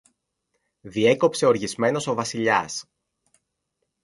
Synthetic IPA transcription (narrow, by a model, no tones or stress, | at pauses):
ðie̞ko̞pse̞o̞ɾʝizme̞no̞so̞vɐsiʎɐs